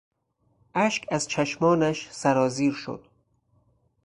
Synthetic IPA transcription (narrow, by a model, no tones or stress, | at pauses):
ʔæʃkæzt͡ʃʰæʃmɒːnæʃsæɾɒːziːɾʃo̰d̪̥